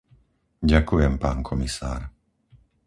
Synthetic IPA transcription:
ɟakujɛmpaːnkʰɔmisa̰ːɾ

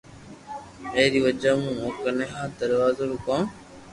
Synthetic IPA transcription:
eːɾiːʋəd͡ʒaːmũːoːkənẽːɦãːd̪əɾʋaːzoɾuːkãː

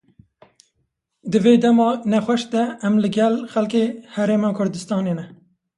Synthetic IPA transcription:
d̪ɨveːd̪ɛmɑːnɛxʷɛʃd̪ɛɛmlɨɡɛlxɛlkeːhɛɾeːmɑːkʰʊɾd̪ɨst̪ɑːneːnɛ

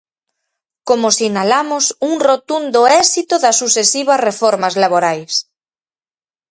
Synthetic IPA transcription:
komʊsinalamʊsuŋrot̪und̪ʊɛsit̪ʊðɐsːusesiβ̞ɐsrefɔɾmazlaβoɾajs

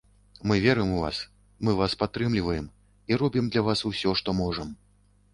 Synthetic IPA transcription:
mɨvʲɛɾɨjmuva̰s | mɨvaspat̪ːɾɨmlʲivɐjɛm | iɾɔbʲimd̪lʲavasusʲɔʂt̪ɔmɔʐɐm

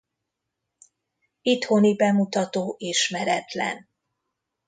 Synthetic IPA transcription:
it̪ho̞nibɛmut̪ɒt̪oːʔiʃmɛɾɛt̪lɛ̰n

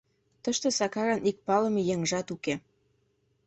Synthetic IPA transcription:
t̪əʃt̪ɤ̆sɑkɑɾɑnik̚pɑlɤ̆mejeŋʒɑt̪uke

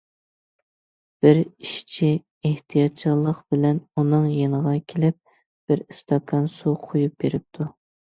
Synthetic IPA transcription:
b̥ɪɾiʃt͡ʃʰi | eht̪ʰijɑt̪̚t͡ʃʰilˠːəqbɪlɛnunɨŋjenəʁɑkʲʰelɪp̚ | b̥ɪɾist̪ʰɑkʰɑnsuqʰojup̚beɾɪp̚t̪ʰu

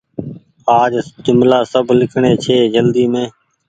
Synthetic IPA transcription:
aːd͡ʒd͡ʒʊmlaːsəbʱlɪkʰɳ̃eːt͡ʃʰeːd͡ʒəld̪iːmẽː

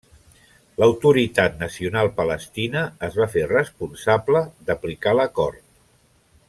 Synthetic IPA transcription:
ləwt̪uɾit̪at̪̚nəsiunalˠpələst̪inəːzβaferəspunsabləðəplikaləkɔɾt̪̚

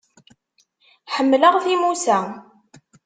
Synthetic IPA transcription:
ħəmːləʁθimusæ

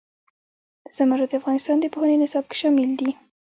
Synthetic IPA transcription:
z̥amaɾad̪əafɣɑnɪst̪ɑnd̪əpohənenɪsɑb̚ke̥ʃɑmɪld̪i

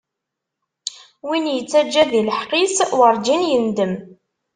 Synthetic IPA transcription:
winjət͡sːæd͡ʒːæðiləħqiswəɾˤd͡ʒinjənd̪əm

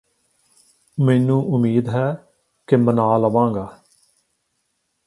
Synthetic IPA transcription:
meːnũːʔʊmiːd̪ɦɛː | kɪmənaːləʋãːŋɡaː

